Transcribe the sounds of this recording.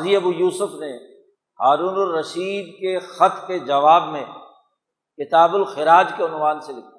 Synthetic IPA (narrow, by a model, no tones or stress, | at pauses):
ziɐbujuːsʊfne | haːɾuːnʊɾːɐʃiːd̪kexɐt̪ʰked͡ʒɐʋaːbmẽ | kɪt̪aːbʊlxɪɾaːd͡ʒkeʊnʋaːnselɪkʰa